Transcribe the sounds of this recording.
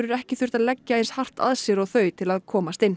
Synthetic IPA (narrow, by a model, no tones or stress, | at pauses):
ɾʏɾɛhcɪθʏr̥t̪aðlɛcːaejnshar̥t̪a̰ðsjɛɾaɣθœːɥt̪ʰɪlaðkʰɔːmast̪ɪnː